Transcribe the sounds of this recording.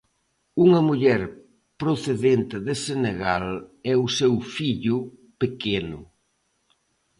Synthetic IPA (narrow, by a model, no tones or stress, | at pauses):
uŋɐmuʎɛɾ | pɾoθeðent̪ɪðeseneɣalɛusewfiʎʊpekenʊ̰